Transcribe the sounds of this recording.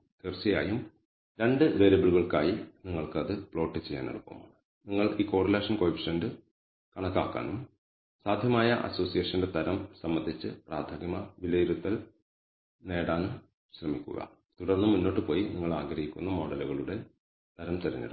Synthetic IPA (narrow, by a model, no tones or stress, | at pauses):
t̪irt͡ɕɐja̰ːjum | ɾe̞ɳɖɨʋeɾɐbiɭuɣɐɭkaːjiniŋːɐɭkɨɐðɨpɭo̞ːʈːit͡ɕːejːa̰ːnɐ̰ɽupːɐ̰ma̰ːɳɨ | niŋːɐɭiːko̞ːrɐle̞ːʂɐnkoːpʂɐɳɖɨ | kɐɳɐkːaːkːa̰ːnum | saːd̪ʱjɐmaːjɐʔɐ̰so̞ːsijeːʂɐnide̞t̪ɐɾɐmsɐmːɐnd̪ʱit͡ɕːɨpraːd̪ʱɐɡɐmɐʋilɐjiɾut̪ːɐl | ne̞ːɽaːnum | ɕrɐmikʲːṵɣɐ̰ | t̪uɽɐrnːɨmunːo̞ːʈːɨpo̞ːjiniŋːɐɭaːɡɾɐhikʲːunːɐmo̞ːɽɐluɣɐɭuɽe̞ | t̪ɐɾɐmt̪eɾɐ̰ɲːḭɽ